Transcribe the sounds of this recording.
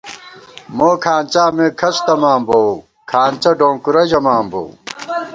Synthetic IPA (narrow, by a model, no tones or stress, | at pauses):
moːkʰaːnt͡ɕaːmẽːkʰɐst̪ɐmaːmbow | kʰaːnt͡ɕɐɖõːŋkuɾɐd͡ʑɐmaːmbo̰ː